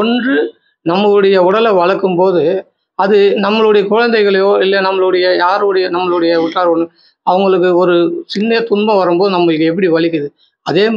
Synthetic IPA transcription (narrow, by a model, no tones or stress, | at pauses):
ɔndrɯ | nɐmːɐɭɯɽɐjɐʊɽɐlɐʋɐɻɐkːɯmpoːðɯ | ɐðɯnɐmːɐɭɯɽɐjɐkʊɻɐnd̪ɐɪɣɐɭɐjoːɪlːɐnɐmːɐɭɯɽɐjɐjaːɾɯɯɽɐjɐnɐmːɐɭɯɽɐjɐʊʈraːɾɐnɯ | ɐʋɐŋɡɐɭɯkːɯɔɾɯsɪnːɐɐt̪ʊɳbɐ̃ʋɐɾɯmpoːðɯnɐmːɐɭɪkːɐɛp̬ːɐɽiʋɐɭɪkːɯðɯ | ɐðeː